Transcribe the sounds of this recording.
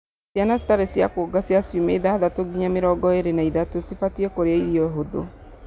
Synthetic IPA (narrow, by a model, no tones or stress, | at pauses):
sjanasi̥taɾesjakoːɡasjasjumeiðaðatoɡiɲameɾɔɡɔeɾenaiðatosifatiekoɾeaiɾjɔɛɦoðo̰